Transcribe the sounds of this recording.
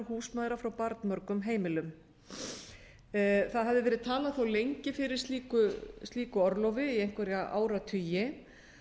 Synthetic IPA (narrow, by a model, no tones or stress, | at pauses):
ɾhuːsmaːðɪɾafɾawpaɾt̪mœɾkʏmɦeːjmɪlʏm | θaðɦavðɪvɛːɾɪðt̪ʰaːlaðθowlejɲcɪfɪɾɪɾ̥st̪iːkʏst̪liːkʏɔɾlɔwvɪiejŋ̥kvɛɾjaʔa̰ːwɾat̪ʰʏjɪ